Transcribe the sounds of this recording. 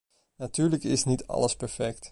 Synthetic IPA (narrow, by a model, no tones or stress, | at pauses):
natyːɹləkɪsnitʰɑ̰ləspɛɹfɛkt